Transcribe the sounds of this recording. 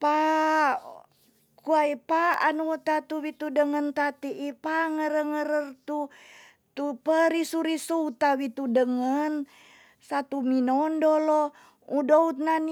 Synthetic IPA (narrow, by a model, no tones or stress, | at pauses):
pa | kuaipaanuot̪at̪uwit̪udəŋənt̪at̪iʔipaŋəɾəŋəɾərt̪u | t̪upəɾisuɾisuut̪awit̪udəŋən | sat̪uminɔndolɔ | udout̪̚nan